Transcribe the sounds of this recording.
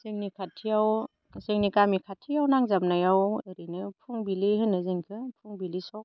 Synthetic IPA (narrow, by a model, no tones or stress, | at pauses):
zeŋnikʰatʰijaw | zeŋnikamikʰatʰːijawnaŋzamnajaweɾinɯpʰuŋbiliɦɯnːɯziŋkʰɯpʰuŋbilisɔk